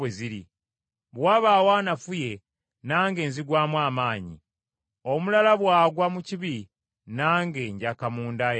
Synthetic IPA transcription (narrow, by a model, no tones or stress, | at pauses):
eziɾi | βwaːβaːwaːnafuje̞ | naːŋɡe̞ːnziɡwaːmwaːmaːɲḭ | o̞mulalaβwaːɡwamuciβi | naːŋɡe̞ːɲɟakamuːndaj